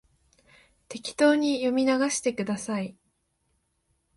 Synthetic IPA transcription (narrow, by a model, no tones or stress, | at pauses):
t̪e̞kʲi̥t̪o̞ːɲ̟ijo̞mʲinaɡaɕi̥t̪e̞kɯ̟d̪asai